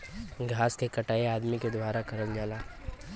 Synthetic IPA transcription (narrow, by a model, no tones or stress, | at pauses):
ɡʱaːskekɐʈaːeaːd̪miked̪waːɾakɐɾəld͡ʒaːlaː